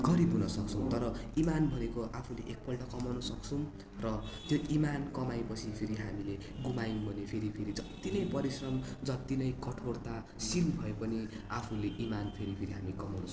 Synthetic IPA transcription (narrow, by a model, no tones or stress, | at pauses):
ɡʌɾibʱɦunʌsʌk̚t͡sʰʌw̃t̪ʌɾʌimanbʱʌnekoʔapʰuleʔek̚pʌlʈʌkʌmawnʌsʌkt͡sʰʌw̃ | rʌt̪joʔimankʌmajpʌt͡sʰipʰeɾiɦamile | ɡumajbʱʌnepʰeɾipʰeɾid͡zʌt̪ːinʌjpʌɾisrʌmd͡zʌt̪inʌjkʌʈʰort̪a | silbʱʌepʌni | apʰuleʔimanpʰeɾipʰeɾiɦamikʌmawnʌs